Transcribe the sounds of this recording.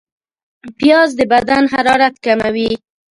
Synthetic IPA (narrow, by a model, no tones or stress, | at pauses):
pjɑzd̪əbad̪anɦaɾɑɾat̪kamawi